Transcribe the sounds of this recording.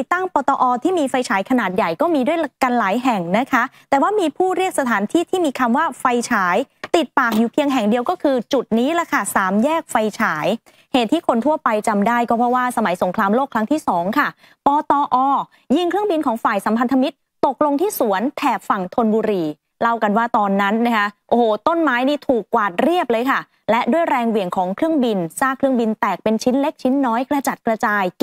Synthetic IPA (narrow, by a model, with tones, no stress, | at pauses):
i˨˩t̪ːa˥˩ŋpɔː˧t̪ɔː˧ʔɔː˧t̪ʰiː˥˩miː˧fa˧jt͡ɕʰaː˩˦jkʰa˧naː˨˩t̪̚ja˨˩jkɔː˥˩miː˧du˥˩əjka˧nlaː˩˦jɦɛ˨˩ŋna˦˥kʰa˦˥t̪ɛː˨˩waː˥˩miː˧pʰuː˥˩ɾi˥˩ək̚sa˧t̪ʰaː˩˦nt̪ʰiː˥˩t̪ʰiː˥˩miː˧kʰa˧mwaː˥˩fa˧jt͡ɕʰaː˩˦jt̪i˨˩t̪̚paː˨˩k̚juː˨˩pʰi˧əŋɦɛ˨˩ŋdi˧əwkɔː˥˩kʰɯː˧t͡ɕu˨˩t̪̚niː˦˥lɛ˧˩kʰa˥˩saː˩˦mjɛː˥˩k̚fa˧jt͡ɕʰaː˩˦j | heː˨˩t̪ʰːiː˥˩kʰo˧nt̪ʰu˥˩ɐpa˧jt͡ɕa˧mdaː˥˩jkɔː˥˩pʰɾɔ˦˥waː˥˩sa˧ma˨˩˦jso˩˦ŋkʰɾaː˧mloː˥˩kʰɾa˦˥ŋt̪ʰiː˥˩sɔː˩˦ŋkʰa˥˩ | pɔː˧t̪ɔː˧ʔɔː˧ | ji˥˩ŋkʰɾɯ˥˩əŋbi˧nkʰɔː˩˦ŋfaː˨˩jsa˩˦mpʰa˧nt̪ʰa˧mi˦˥t̪̚ːo˨˩k̚lo˧ŋt̪ʰiː˥˩su˩˦ənt̪ʰɛː˨˩p̚fa˨˩ŋt̪ʰo˧nbuː˧ɾiː˧ | la˦˥˩wka˧nwaː˥˩t̪ɔː˧nːa˦˥nːa˦˥kʰa˦˥ʔʔoː˧˩hoː˨˩t̪o˥˩nmaː˦˥jniː˥˩t̪ʰuː˨˩kːwaː˨˩t̪̚ɾi˥˩əp̚lɤː˧jkʰa˥˩ | lɛ˦˥ʔdu˥˩əjɾɛː˧ŋwi˨˩əŋkʰɔː˩˦ŋkʰɾɯ˥˩əŋbi˧nsaː˥˩ŋkʰɾɯ˥˩əŋbi˧nt̪ɛː˨˩k̚pe˧nt͡ɕʰi˦˥nle˦˥k̚t͡ɕʰi˦˥nːɔː˦˥jkɾa˧t͡ɕa˨˩t̪̚kɾa˧t͡ɕaː˧j